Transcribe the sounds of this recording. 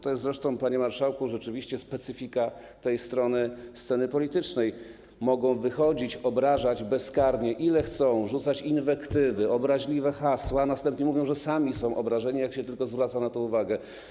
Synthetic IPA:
t̪ɔjɛst̪zɾɛʂt̪ɔ̃w̃paɲɛmaɾʂawkuʐɛt͡ʂɘvʲiɕt͡ɕɛspɛt̪sɘfʲika | t̪ɛjst̪ɾɔnɘst̪sɛnɘpɔlʲit̪ɘt͡ʂnɛj | mɔɡɔ̃w̃vɘxɔd͡ʑit͡ɕɔbɾaʐad͡ʑbɛskaɾɲɛʔilɛxt̪sɔ̃w̃ʐut̪sat͡ɕinvɛkt̪ɘvɘɔbɾaʑlʲivɛxaswanast̪ɛ̃mpɲɛmuvʲjɔ̃w̃ʐɛsamʲisɔ̃w̃ʔɔbɾaʐɛɲijakɕɛt̪ɘlkɔzvɾat̪sanat̪ɔ̃w̃uvaɡɛ

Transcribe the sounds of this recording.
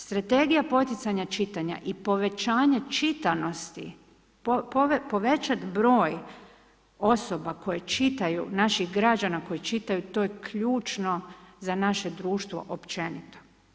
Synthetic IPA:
st̪ɾat̪e̞ɡijapo̞t̪it̪saɲat͡ʃit̪aɲa̰ʔipo̞ʋe̞t͡ʃaːɲet͡ʃit̪ano̞st̪i | popo̞ʋe̞t͡ʃat̪bɾo̞ːj | o̞so̞bako̞je̞t͡ʃit̪ajṵnaʃixɡɾad͡ʒanako̞jit͡ʃit̪ajut̪o̞jekʰʎuːt͡ʃno̞zanaʃe̞d̪ɾuːʃt̪ʋo̞̰ʔopt͡ʃe̞nit̪o̥

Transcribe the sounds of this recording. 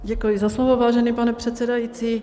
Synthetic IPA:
ɟɛkujizaslovovaːʒɛniːpanɛpr̥ɛt̪sɛdajit͡siː

